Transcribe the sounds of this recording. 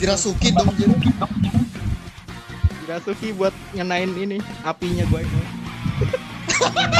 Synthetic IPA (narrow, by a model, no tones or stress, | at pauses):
iɾasukidɔŋd͡ʒiɾ | d͡ʒiɾasukibuat̪̚ɲənaɪniniapiɲaɡuaino